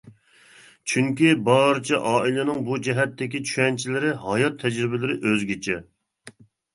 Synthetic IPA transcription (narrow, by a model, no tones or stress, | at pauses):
t͡ʃʰyŋkʲibɑɾɨt͡ʃʰɛʔɑːilˠɪnɪŋbud͡ʒɛɦɛt̪ʰːɪkʲit͡ʃʰy̥ʃɛnt͡ʃʰilɪɾɪɦɑjɑt̪ʰːɛd͡ʒɾɪbɪlɪɾɪʔøzɡʲit͡ʃʰɛ